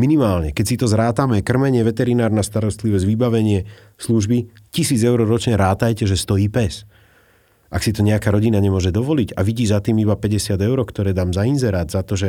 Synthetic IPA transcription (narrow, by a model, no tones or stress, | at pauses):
minimaːlɲɛkɛcsit̪ɔzɾaːt̪amɛkr̩mɛɲɪɛʋɛt̪ɛɾinaːɾnast̪aɾɔst̪liʋɔzʋibaʋɛɲɪɛ | sluʒbi | cisiːd͡zɛʊɾɔɾɔt͡ʃɲɛɾaːt̪ajcɛʒɛst̪ɔjiːpɛs | ʔaksit̪ɔɲɛakaːɾɔɟinaɲɛmʊɔʒɛd̪ɔʋɔliɟa̰ʋiɟiːzat̪iːmibapɛɟɛsɪad̪ɛʊɾɔkt̪ɔɾɛːd̪aːmzainzɛɾaːd̪zat̪ɔʒɛ